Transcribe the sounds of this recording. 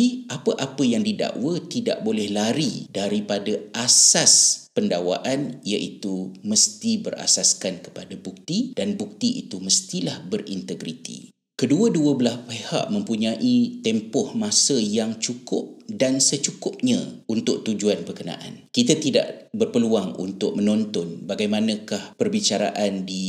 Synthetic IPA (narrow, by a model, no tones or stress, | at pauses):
iʔapəʔapəjaŋdida̰ʔwət̪ida̰ʔ̚bolɛhlaɾidaɾipadaasaspəndawa̰ʔanijaʔit̪uməst̪ibəra̰saskankə̥padabuk̚t̪id̥anbuk̚t̪iʔḭt̪uməst̪ilahbərint̪əɡɾit̪ḭ | kəduəduəbəlaspeha̰ʔmə̃mpuɲãʔit̪ɛmpɔhmãsəjaŋt͡ʃukʊp̚dansət͡ʃukʊp̚ɲãunt̪ʊʔ̚t̪ud͡ʒuanpərkənã̰ʔa̰nkit̪at̪ida̰ʔbərpəluaŋṵnt̪ʊk̚mənɔnt̪ɔnbaɡajmanə̃kahpərbit͡ʃaɾa̰ʔandi